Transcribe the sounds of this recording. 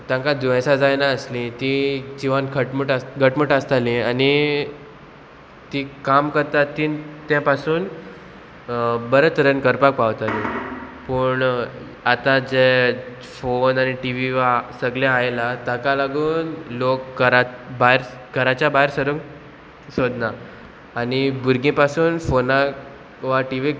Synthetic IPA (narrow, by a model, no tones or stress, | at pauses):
t̪jãŋkad̪ẽsad͡zajnaəslĩt̪id͡ʑiʋankʰəʈməʈaɡʱəʈməʈəst̪alĩani | t̪ikamkəɾt̪at̪ːiːnt̪jãpasuːn | bəɾət̪ɾənkəɾpak̚paʋt̪alipəːɳ | at̪ad͡ʑe | fonañiʈiʋiʋasəɡljaajlat̪akalaɡuːnlok̚ɡəɾabaɦeɾɡʱəɾat͡ɕjabaɦeɾsəɾəŋk | sod̪naː | ñibuɾɡẽpasuːnfona | ʋaʈiʋi